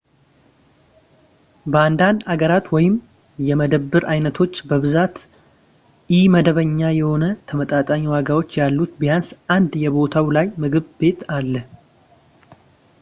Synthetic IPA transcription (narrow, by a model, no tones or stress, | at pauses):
bəand̪and̪aɡəɾat̪wɔjɪm | jɛməd̪əbːɨɾʔajnət̪ʰo̞t͡ʃːbəβɨzat̪ | ɪməd̪əβəɲːajɛho̞nət̪ʰəmət̪ʼat̪ʼaɲwaɡawo̞t͡ʃːjalːut̪bijansʔand̪jɛbo̞t̪ʰawlajmɨɡɨβbe̞t̪alːə